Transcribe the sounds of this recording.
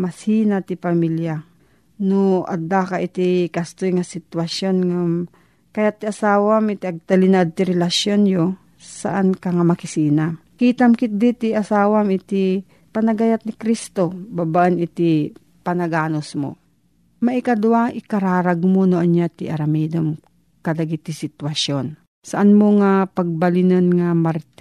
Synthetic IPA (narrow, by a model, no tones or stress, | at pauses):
mɐsiːnat̪ɪpɐmilja | noʔɐ̰d̪akaʔɪt̪ikɐst̪ojŋɐsɪt̪wɐsjonŋam | kɐjat̪ːiʔɐsaːwamɪt̪iɐɡ̚t̪ɐlinad̪̚t̪ɪɾɛlɐsjonjo | sɐ̰ʔankɐŋamɐkɪsiːnakiːt̪ɐmkɪt̪̚d̪it̪ɪʔɐsaːwamɪt̪i | pɐnɐɡɐjat̪̚nɪkɾist̪obabaʔɐnɪt̪i | pɐnɐɡaːnosmo̰ | mɐʔɪkɐd̪ʊwaʔɪkɐɾaːɾɐɡmonoʔɐnjat̪ɪʔɐɾɐmɛːd̪om | kɐlɐɡit̪ɪsɪt̪wɐʃjon | sɐʔanmoŋapɐɡ̚bɐlɪnɐnŋamɐɾt̪